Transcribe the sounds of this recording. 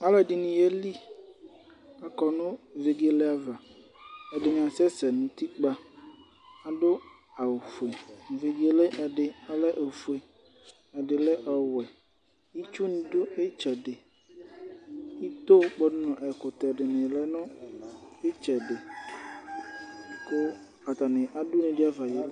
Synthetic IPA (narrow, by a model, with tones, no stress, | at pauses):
a˦lɛ˨dɪ˨nĩ˨jɛ˦li˦ | a˨kɔ˨nʊ̃˦˨ve˨ɡe˨lɪ˦a˦va˨ | ɛ˨dɪ˨ɲã˨sɛ˦sɛ˨nʊ̃˨t̪i˦k͡pa˦ | a˨ɖʊ˦ | a˨wfu˨e˨ve˨ɡe˨lɪ˦ʔɛ˨dɪ˨a˦lɛ˦ʔe˨fu˨e˨ | ɛ˨ɖɪ˨lɛ˦ʔɔ˨wɛ˨ | ji˦t͡ʃu˦nĩ˨dʊ˦e˦t͡ʃɛ˨dɪ˨ | i˦t̪o˦k͡pɔ˦nʊ˦nɔ̃˨ʔɛ˨kʊ˨t̪ɛ˨ɖɪ˨nɪ̃˨lɛ˦nʊ̃˦ | e˦t͡ʃɛ˨dɪ˨ | ko˦ | a˨t̪a˨nɪ̃˨ʔa˨dʊ˦nĩ˨ɖɪ˦a˦va˨jɛ˦